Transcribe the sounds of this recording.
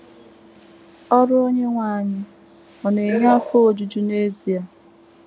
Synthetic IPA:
ɔ˦ɾʊ˦o˦ɲe˦ŋʷaː˨ɲɪ˦ | ɔ˨ne˨ɲa˦fo˦o˨d͡ʒu˨d͡ʒu˦ne˦zi˨a˨

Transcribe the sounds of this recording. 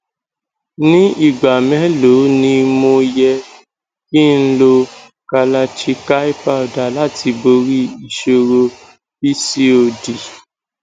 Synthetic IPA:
nĩ˦i˦˨ɡ͡ba˨mɛ̃˨˦lo˨˦nĩ˧mõ˧jɛ˧ | ki˦˨n̩˦lo˧ | ka˧la˧t͡ʃi˧ka˦i˦pa˦˨ɔ˨da˨la˦˨ti˧bo˧ɾi˦i˨ʃo˧ɾo˧ | bi˦si˦o˧˨di˨

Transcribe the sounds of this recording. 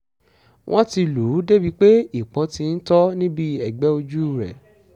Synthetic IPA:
wʔɔ̃˦ti˧lu˨˦de˦bi˦k͡pe˦i˦˨k͡pɔ̃˨˦tĩ˧n̩˦tɔ˦nĩ˦bi˦ɛ˨ɡ͡bɛ˨˦o˧d͡ʒu˦˨ɾɛ̰˨

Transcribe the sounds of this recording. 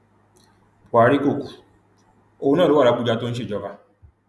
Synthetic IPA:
a˨ɾi˦ko˦˨kʷu˨ | o˦˨˦nɔ˦˨ɾo˦wa˨ɾa˨kʷu˦d͡ʒa˦tʊ˦n̩˦ʃ̬i˦˨d͡ʒɔ˦va˦

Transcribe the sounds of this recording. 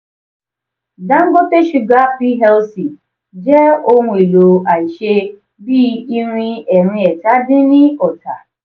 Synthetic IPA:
da˦ŋ̩˦ɡo˦te˦ʃu˨ɡa˦pi˦ɦɛ˦lsi˨ | d͡ʒɛ˦o˦ŋʷe˨lo˨a˨i˨ʃe˦ | bi˦i˦ɾʷi˦ɛ˨ɾĩ˦ɛ˨ta˦dɪ˦nɪ˦ɔ˨ta˨

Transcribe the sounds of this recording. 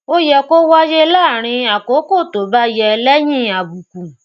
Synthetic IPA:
o˦jɛ˧˨ko˦wa˦je˦la˦˨ɾ̃ĩ˧a˨ko˨˦ko˦˨to˨˦ba˦jɛ˧lɛ˦j̃ĩ˦a˨bu˨ku˨

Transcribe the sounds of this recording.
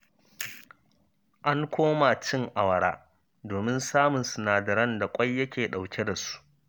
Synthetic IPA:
ʔa˦ŋkʷoː˦ma˨t͡ʃɪ˦ŋʔa˨wɐ˨ɽaː˦ | doː˨mɪ˦nsaː˦mʊ˨nsʊ˨naː˨dɐ˨ɾɐ˦nda˨kʷʼɐ˦jːɐ˦kʲeː˨ɗa˨wkʲʰe˦da˨su̥˦ʔ

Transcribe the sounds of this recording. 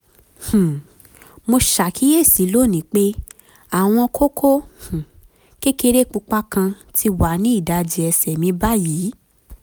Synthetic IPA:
h̩˨ | mo˧ʃa˨kʰi˨˦je˦˨si˨˦lo˦˨nĩ˨˦k͡pe˦ | a˦˨w̃ɔ̃˧kʰo˦kʰo˦h̩˨ | ke˦ke˧ɾe˦˨k͡pu˧k͡pa˦kã˧ | tʰi˧wa˨˦nĩ˦i˦˨da˨˧d͡ʒi˧ɛ˧sɛ˨mĩ˧˦ba˦jiː˨˦

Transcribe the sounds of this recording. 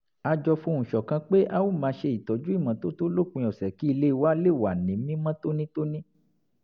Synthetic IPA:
a˧d͡ʒɔ˧fũ˧ũ˨ʃɔ˨kã˧k͡pe˦ʔa˦wu˦˨mãː˨˧˦ʃe˧i˨tɔ˨d͡ʒu˦i˦˨mã˨to˦to˦lo˦˨kũ˧jɔ˨sɛ˨ki˦i˧le˦˧wa˦le˦˨wa˨nĩ˨˦mĩ˦mã˦to˦nĩ˦to˦nĩ˦

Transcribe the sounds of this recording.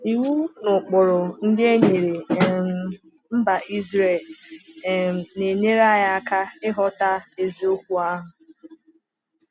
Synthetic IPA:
i˨wu˦nʊ˨k͡pʊ˨ɾʊ˨ŋ̩˦de˦ɲe˨ɾe˨˦˨ | m̩˦ba˨i˦zɾe˦˨l | ne˨ɲe˦ɾa˦ja˦a˦ka˦ɪ˦ɦɔ˦ta˦e˦˨zi˨˦o˦kʷu˦a˦ɦʊ˨

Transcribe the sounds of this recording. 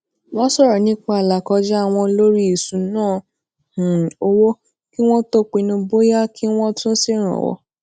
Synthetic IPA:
wɔ̃˦sɔ˦˨ɾɔ˨nĩ˦k͡pa˧˦a˨la˨kɔ˧d͡ʒɛ˦a˦˨w̃ɔ̃˧lo˦ɾi˦i˨sũ˨˧nãː˦˨ | h̩˨o˧wo˦ | ki˦w̃ɔ̃˦to˦˨k͡pi˧nũ˧bo˦ja˦kʰi˦w̃ɔ̃˦tũ˦si˦˨ɾ̃ã̰˨wɔ̰˧˦

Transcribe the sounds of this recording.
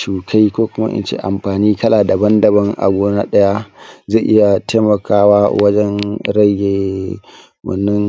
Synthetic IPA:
t͡ʃuː˨kʰa˦jkʷoː˦kʷʊ˦ma̰˦ʔɪ̰˦nt͡ʃḛː˦ʔa˨mɸaː˨niː˦kɐ˦laː˨da˨bɐ˦ndɐ˨bɐ˦ŋʔa̰˨ɡʷoː˦na̰˦ɗɐ˦ja˦za˦˨ʔɪ˦ja˨te˦mɐ˨kʰaː˦waː˦wɐ˦d͡ʒɛ˦nɾɐ˦jeː˨ | wɐ̰˨nːɪ˦ŋ

